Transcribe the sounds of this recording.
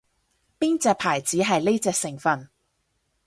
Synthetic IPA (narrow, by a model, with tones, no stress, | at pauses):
piː˥nt͡sɛː˨˧k̚pʰaː˨˩jt͡siː˨˥ɦɐ˨jle˥jt͡sɛː˧ksɪ˨˩ŋfɐ˨n